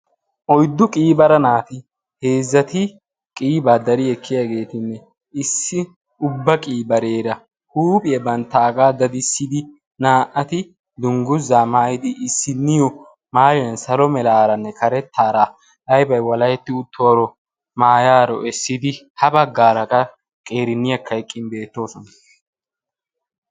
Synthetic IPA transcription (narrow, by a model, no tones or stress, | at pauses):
ʔɔjd̪ːʊkʼiːbɐɾɐnaːt̪ɪ | he̞ːzːɐt̪ɪ | kʼiːbaːd̪ɐɾɪɛkʰːɪjaɡe̞ːt̪ɪnːɛ | ɪsːɪ | ʊbːɐkʼiːbɐɾe̞ːɾɐ | huːpʼɪjɐbɐnt̪ːaːɡaːd̪ɐd̪ɪsːɪd̪ɪ | naːʔɐt̪ɪ | d̪ʊŋɡʊzːaːmaːjɪd̪ɪʔːsːɪnːɪjɔ | maːjɔjɐnsɐlɔmɛlaːɾɐnːɛkɐɾɛt̪ʰːaːɾa | ʔɐjbɐjwɐlɐjɛt̪ːɪʊt̪ʰːoɾɔ | maːjaːɾɔɛsːɪd̪ɪ | hɐbɐɡːaːɾɐkʼɐ | kʼe̞ːɾɪnːɪjɐkʰːɐɛkʼːɪnbe̞ːt̪ːo̞ːsɔnɐ